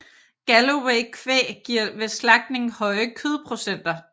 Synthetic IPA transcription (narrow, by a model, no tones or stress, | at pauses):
ɡ̥æloweɪkʰʋḛːɡ̥iɐ̰ʋe̝slɑ̈ɡ̥̚d̥ne̝ŋ̩hɒ̽ɪəkʰøð̞ˠpʰʁo̝sen̰d̥ɐ